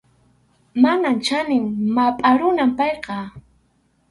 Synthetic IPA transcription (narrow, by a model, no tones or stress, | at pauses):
manant͡ʃanɪŋmapʼaɾʊnampɑjqɑ